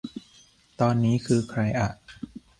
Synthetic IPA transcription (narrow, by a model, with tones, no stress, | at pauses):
t̪ɔː˧nːiː˦˥kʰɯː˧kʰɾa˧jʔa˨˩ʔ